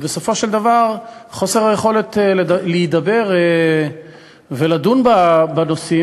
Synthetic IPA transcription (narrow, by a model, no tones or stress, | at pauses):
beso̞fo̞ʃeld̪avaʁχo̞se̞ʁajeχo̞let̪leleid̪abe̞ʁ | velad̪unbabano̞si